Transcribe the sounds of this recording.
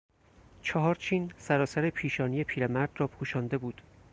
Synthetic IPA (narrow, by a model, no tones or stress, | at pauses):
t͡ʃʰɒɦɒːɾt͡ʃʰiːnsæɾɒːsæɾe̞pʰiːʃɒːnije̞pʰiːɾemæɾd̪̥rɒːpʰuːʃɒːnd̪e̞buːd̪̥